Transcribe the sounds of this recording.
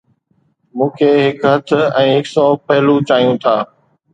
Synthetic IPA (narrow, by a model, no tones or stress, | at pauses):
mũːkʰeːɦɪkɦɐt̪ʰʊɛ̃ːɦɪksɔːpɐɦɪlut͡ɕaːɦjũt̪ʰaː